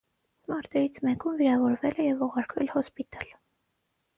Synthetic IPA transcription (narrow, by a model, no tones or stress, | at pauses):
mɑɾt̪ɛɾit͡sʰmɛkumviɾɑvɔɾvɛlɛjɛvuʁɑɾkʰvɛlhɔspit̪ɑl